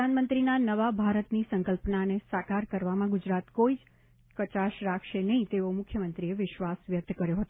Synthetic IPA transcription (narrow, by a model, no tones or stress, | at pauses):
anmənt̪ɾinanəʋabʱaɾət̪nisə̃ŋkəlpənanesakaɾkəɾʋamãɡʊd͡ʒɾat̪koid͡ʒ | kət͡ʃaʃɾakʰʃenəɦĩt̪eomʊkʰjəmənt̪ɾieʋɪʃʋasʋjək̚t̪kəɾjoɦət̪o